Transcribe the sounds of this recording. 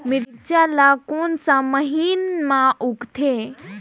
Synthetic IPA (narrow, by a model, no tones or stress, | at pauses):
mɪɾt͡ʃalakoːnsãməɦiːnmãʔukt̪ʰe